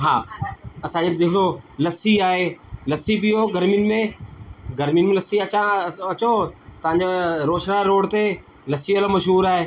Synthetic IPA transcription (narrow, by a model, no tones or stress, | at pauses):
ɦa̰ːɐsãd͡ʑed̪eːk̪ʰolɐsiaːɦelɐsipijoɡɐɾminmẽɡɐɾminɪmẽlɐsiɐt͡ɕãɐt͡ɕot̪ɐʋ̤ãɲ̆d͡ʑoɾoːʃɾaːɾoːɽt̪e | lɐsiɐlomɐʃɦuːɾaːɦeː